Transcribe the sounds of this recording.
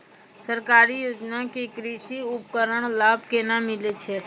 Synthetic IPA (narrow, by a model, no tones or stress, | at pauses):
səɾkaɾijoːd͡ʒnakekɾiʃiup̚kəɾəɳ̃laːbʱkenamɪlet͡ʃʰe